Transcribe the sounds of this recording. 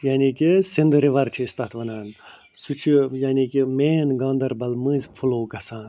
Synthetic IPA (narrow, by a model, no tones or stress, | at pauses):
jaːniːkisind̪ɾiʋɐɾt͡ʃʰiːst̪ɐt̪ʰʋɐnaːn | sut͡ʃʰijaːniːkimeːnɡãːnd̪ɐɾbɐlmɨːzʲfʰuloːɡɐsaːn